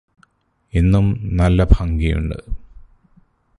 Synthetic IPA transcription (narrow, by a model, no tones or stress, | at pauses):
enːumnɐlːɐbʱɐŋɡijṵɳɖɨ̰